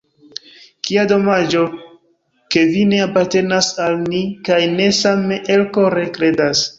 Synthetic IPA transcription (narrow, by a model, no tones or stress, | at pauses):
kiado̞mad͡ʒo̞ | ke̞vine̞apaɾte̞nasalnikajne̞sameʔelkoɾe̞kɾe̞das